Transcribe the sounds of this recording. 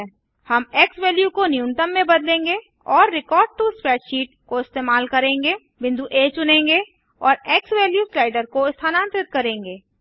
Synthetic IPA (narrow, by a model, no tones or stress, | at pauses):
hɐmeːksweːljukonijũnʈəmːẽbɐd̪lẽːŋɡe | ɔːɾːɪkɔːɾɖ̚ʈuspɾɛːʈʃiːʈ̚koɪst̪eːmaːlkɐɾẽːŋɡe | bɪ̃nd̪uʔeːt͡ʃʊnẽːŋɡe | ɔːɾeːksweːljuːslaːɪɖəɾkoɪst̪ʰaːnãːnt̪ɾɪt̪̚kɐɾẽːŋɡeː